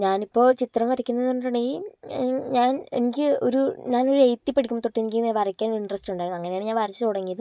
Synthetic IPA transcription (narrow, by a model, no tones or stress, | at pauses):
ɲaːnipːo̞ːt͡ɕit̪rɐmʋɐɾɐkʲːunːɐðnuɳɖɐɳɐji | ɲaːnḛnik̬ʲːɨo̞̰ɾuɲaːno̞ɾuejt̪ːipːeɽikʲːumoːt̪oʈːienikʲːiʋɐrɐkʲːaːnouiɳɖrɐstuɳɖaːjunːɐŋːɐneaːɳɨɲaːnʋɐrɐt͡ɕːɨt̪uɽɐŋːijɐðɨ